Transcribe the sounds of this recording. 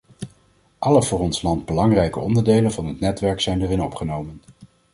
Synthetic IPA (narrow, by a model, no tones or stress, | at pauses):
ʔɑləvʊːrɔnslɑnd̚bəlɑŋrɛjkəɔndəɹdejlənvɑnɦətnɛtʋɛɹksɛjndərɪnɔpχənowmən